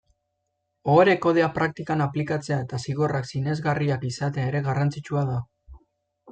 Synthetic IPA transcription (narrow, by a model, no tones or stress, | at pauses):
oɾe̞ko̞ð̞eapɾak̚t̪ikanaplikat͡se̞aet̪asiɣo̞raksine̞zɣariakisat̪e̞ae̞ɾe̞ɣarant͡sit͡ʃuaða